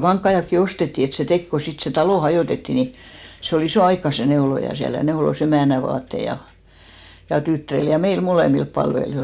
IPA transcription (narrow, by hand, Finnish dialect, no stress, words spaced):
kɑŋkːɑij̆ɑkːi ostetːi et se tek ko sit se tɑloˑ hɑjoˑtetːi ni se ol isoˑ ɑikːɑ se neolojɑ siæl jɑ neolos emæˑnæ ʋɑːtːei jɑ jɑ tytːæ̆ril jɑ meil moleˑmilp pɑlʋelijoil